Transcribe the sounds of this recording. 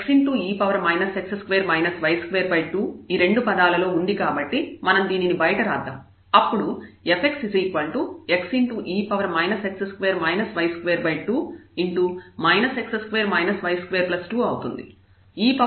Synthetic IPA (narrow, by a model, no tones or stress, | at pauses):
eksiɳʈuːiːpɐʋɐɾmɐjnɐsekseskʋeːɐɾmɐjnɐsʋɐjskʋeːɐɾbɐjʈuːiːɾe̞ɳɖupɐd̪aːlɐlo̞ːund̪ikaːbɐʈːimɐnɐmd̪iːninibɐjɐʈɐɾa̰ːd̪ːaːm | ɐpːuɽuepʰe̞ksisiːkʋɐɭʈuːeksiɳʈuːʔiːpɐʋɐɾmɐjnɐsekseskʋeːɐɾmɐjnɐsʋɐjskʋeːɐɾbɐjʈuːiɳʈuːmɐjnɐsekseskʋeːɾmɐjnɐsʋɐjskʋeːɐɾplɐsʈuːɐwut̪und̪ḭ | iːpɐ